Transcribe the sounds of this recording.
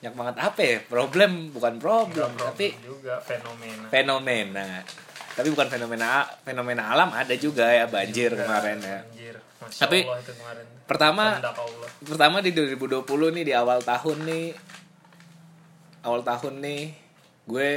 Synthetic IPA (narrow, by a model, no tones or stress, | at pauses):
ɲak̚maŋət̪apapɾoblɛmbukanpɾoblɛmtt̪apiɡfnmnfenomena | t̪apibukanfenomenafenomenaːlamadad͡ʒuɡajabaɲd͡ʒɪrkəmaɾɛnjad͡ʒr | t̪apikəɾɛnpərt̪amalpərt̪amadiduaɾibuduapulʊhnɪhdiawalt̪aɦʊnːɪh | awalt̪ahʊnːɪh | ɡuɛ